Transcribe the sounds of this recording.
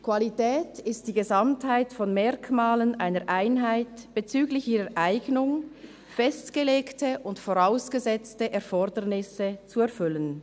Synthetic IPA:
kʰv̥alitɛːtɪst̚d̥iːɡəzamthaɪtfɔnmɛɐkmaːlənʔaɪnəʔaɪnɦaɪtb̥et͡syːɡlɪçʔiːʁəʔaɪɡnʊŋ | fɛstɡ̥əleːktəʔʊntfoʁaʊsɡ̥əzɛt͡stəʔɛɐfɔʁdənɪsət͡suɛɐfʏlən

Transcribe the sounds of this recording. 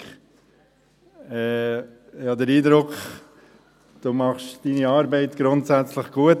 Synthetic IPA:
ɛː | jɑːd̪əɾiːdɾʊkχ | d̪̥umɑχʃd̥iːniɑːɾbɛɪtɡ̥ɾʊntsæt͡sləχɡ̥uət

